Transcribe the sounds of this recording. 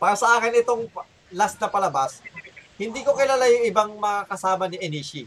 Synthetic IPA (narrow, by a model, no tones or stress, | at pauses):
paːɾɐsɐʔaːkɪnɪt̪o̞ŋ | lasnɐpɐlɐbashɪnd̪iːko̞kɪlaːlajʊŋʔɪbaŋmɐŋakɐsaːmɐniʔɛniʃi